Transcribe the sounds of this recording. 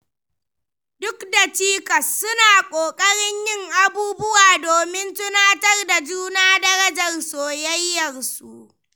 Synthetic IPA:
dʊ˦kda˨t͡ʃiː˦kɐ˨sːʊ˦naː˨kʷʼoː˨kʼɐ˦ɽɪ˦ɲjɪ˦ŋʔa˨buː˦bʊ˦waː˨doː˨mɪ˦ntʊ˦naː˦tɐ˦rda˨d͡ʒuː˦naː˦dɐ˦ɽɐ˦d͡ʒɐ˨rsoː˨jɐ˦jːɐ˨rsu˨ʔ

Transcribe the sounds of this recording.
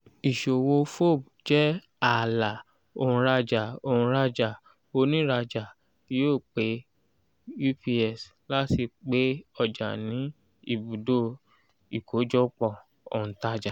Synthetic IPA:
i˨ʃo˨wo˧fo˦˨b | d͡ʒɛ˦ | a˦˨la˨ | o̰˧˨ũ˧ɾa˧d͡ʒa˨o˧˨hũ˧ɾa˧d͡ʒa˨ | o˧nĩ˦ɾa˧d͡ʒa˨ | ti˦joː˦˨k͡pe˨˦ | ju˦pi˧ɛ˨s | la˦ti˧k͡pe˦ɔ˦˨d͡ʒa̰˨nĩ˨˦ | ḭ˦˨bu˨do˦ | i˨kʰo˨˦d͡ʒɔ˦k͡pɔ̃˦˨ | o̰˨ũ˨ta˧d͡ʒa˨

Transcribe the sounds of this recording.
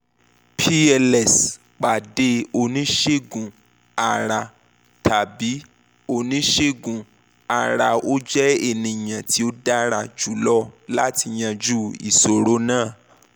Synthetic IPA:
pʰi˦ɛ˧lɛ˨s | k͡pa˨de˧˦o˧nĩ˦ʃe˦˨ɡũ˨ | a˨ɾa˧ | tʰa˨bi˨˦ | o˧˨nĩ˦ʃe˦˨ɡũ˨ | a˨ɾa˧o˦d͡ʒɛ˦e˨nĩ˨j̃ã˨ti˨˦o˦da˦ɾa˧˨d͡ʒu˨˦lɔ˦la˦ti˧j̃ã˧d͡ʒu˦ḭ˨so˨ɾo˨˦nãː˦˨

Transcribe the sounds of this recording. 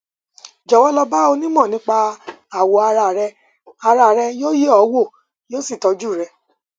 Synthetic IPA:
d͡ʒɔ˨wɔ˦lɔ˧ba˦o˧nĩ˦mɔ̃˦˨nĩ˨˦k͡pa˧ | a˨wo˨a˧ɾa˧˨ɾɛ˧ | a˧ɾa˧˨ɾɛ˧jo˦je˦ɔ˨˦wo˦˨ | joː˦si˦˨tɔ˧˦d͡ʒu˦˨ɾɛ˧˦

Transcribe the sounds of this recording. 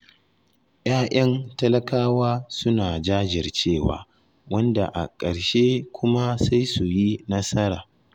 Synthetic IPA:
j̰aː˦ʔɐ˦ntɐ˦lɐ˦kaː˦waː˦sʊ˦naː˨d͡ʒaː˦d͡ʒɪ˨rt͡ʃeː˦˨wa̰ː˨˦ | wɐ˦nda̰˨ʔa̰˨kʼɐ˨ɽʃe˦kʷʰʊ˦ma˦sa˦jsu˨ji˦nɐ˦sɐ˦ɾa̰ː˨

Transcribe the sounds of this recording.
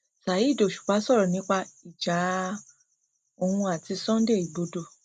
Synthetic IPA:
sa˨ji˦˨do˨ʃu̥˨k͡pa˨˦sɔ˦˨ɾɔ˨nĩ˨˦k͡pa˧i˨d͡ʒa˨˦ | o˧˨hũ˧a˨ti˧sɔ̃˦de˦˨i˨bo˧do˧

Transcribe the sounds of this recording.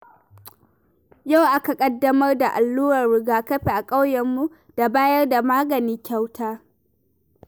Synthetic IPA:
ja˦˨wʔa˦ka˨kʼɐ˦dːɐ˦mɐ˦rda˨ʔa˨lːuː˦ɾɐ˨rɽɪ˦ɡaː˦kɐ˦ɸe˨ʔa˨kʼa˦wjɐ˨mːu˦ | d̥a˨baː˦jɐ˦rda˨maː˦ɡɐ˨niː˦kʲa˦wtʰaː˦

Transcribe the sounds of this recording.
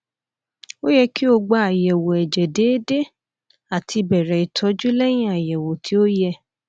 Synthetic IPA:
o˦jɛ˧ki˦o˧ɡ͡ba˨˧a˨jɛ˨wo˨ɛ˨d͡ʒɛ˨de˨˦de˦ | a˨tʰi˧bɛ˨ɾɛ˨i˨tʰɔ˨˧˦d͡ʒu˦lɛ˦j̃ĩ˦a˨jɛ˨wo˨tʰi˨˦o˦jɛ˧

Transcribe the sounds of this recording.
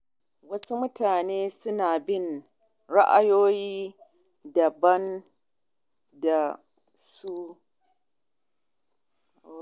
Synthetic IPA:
wɐ˦su˦mʊ˦taː˨neː˦sʊ˦naː˨bɪ˦˨n | ɾa˦ʔa˦joː˦jiː˦ | dɐ˨bɐ˦n | da˨ | su˦˨

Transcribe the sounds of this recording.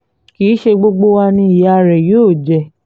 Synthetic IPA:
kiː˨˦ʃe˧ɡ͡bo˧ɡ͡bo˦wa˧nĩ˦i˨ja˦ɾɛ˨joː˦˨d͡ʒɛ˨

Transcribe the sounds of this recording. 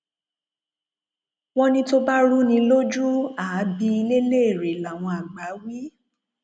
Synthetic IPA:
w̃ɔ̃˦nĩ˧to˧ba˦ɾu˦nĩ˧lo˦d͡ʒu˦aː˨˦bi˧i˧le˦le˦e˨ɾe˨la˨w̃ɔ̃˧a˨ɡ͡ba˨˦wi˦

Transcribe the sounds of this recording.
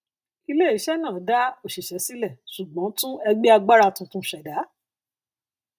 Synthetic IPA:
i˧le˦˨i˨˦ʃɛ˦nãː˦˨˦da˦o˦˨ʃi˨ʃɛ˨˦si˦lɛ˦˨su˨ɡ͡bɔ̃˨˦tũ˦ɛ˧ɡ͡bi˦a˧ɡ͡ba˦ɾa˧tũ˧tũ˧˦ʃɛ˨da˨˦

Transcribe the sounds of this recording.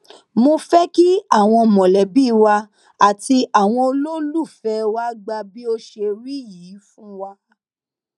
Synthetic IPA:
mo˧fɛ˦ki˦a˦˨w̃ɔ̃˧mɔ̃˨lɛ˨bi˦˧wa˧ | a˨ti˧a˨w̃ɔ̃˧o˧lo˦lu˦˨fɛ˧˦wa˦ɡ͡ba˧bi˦o˦ʃe˧ɾi˦jiː˨˦fũ˦wa˧

